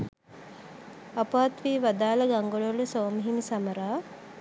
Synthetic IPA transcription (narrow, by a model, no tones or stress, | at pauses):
ɐpaːt̪ʋiːʋɐd̪aːlɐɡɐŋɡoɭolusoːmɦimisɐmɐɾaː